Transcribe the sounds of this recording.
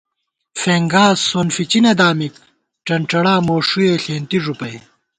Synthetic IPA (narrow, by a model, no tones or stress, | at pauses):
feːŋɡaːsoːnfit͡ɕinɐd̪aːmik̚ | ʈɐɳʈ͡ʂɐɽaːmoːʂueːɬeːnt̪iʐupɐj